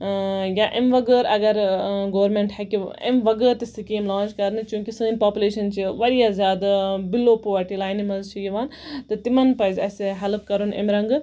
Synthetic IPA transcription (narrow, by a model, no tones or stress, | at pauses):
jaʔemʋɐɡəːɾɐ̰ɡɐɾɡoːɾmeɳʈhɛkiḛmʋɐɡəːɾt̪isɨkeːmlãːnt͡ʃkɐɾnɨt͡ʃũːkisɨːnpaːpʲuleːʃɐnt͡ʃʰiʋɐɾijaːzʲjaːd̪abilːoːpoːʋɐɾʈilaːjnimɐzt͡ʃʰijiʋaːnt̪ɨt̪imɐnpɐjzʲɐseɦelpkɐɾunḛmɾɐŋɡɨ